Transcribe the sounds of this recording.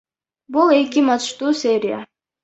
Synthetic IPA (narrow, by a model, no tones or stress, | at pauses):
bulˠe̞kimɑt̪ʃt̪uːsʲeɾʲɪja̰